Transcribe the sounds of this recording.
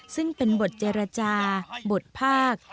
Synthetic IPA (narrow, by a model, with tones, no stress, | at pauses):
sɯ˥˩ŋpe˧nbo˨˩t̪̚t͡ɕeː˧ɾa˧t͡ɕaː˧bo˨˩t̪̚pʰaː˥˩k̚